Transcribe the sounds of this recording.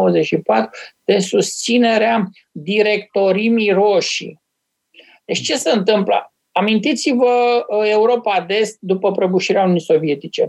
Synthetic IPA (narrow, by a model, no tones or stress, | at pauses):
əzet͡ʃʃipat̪ɾud̪̥e̞sust̪sine̞ɾea | d̪iɾe̞k̚t̪o̞ɾimiro̞ʃḭ | d̪et͡ʃt͡ʃe̞seɨnt̪ɨmplə̰ | amint̪it̪sivəe̞uɾo̞pad̪e̞st̪̚d̪upəpɾəbuʃiɾeaununiso̞vie̞t̪it͡ʃe̞̰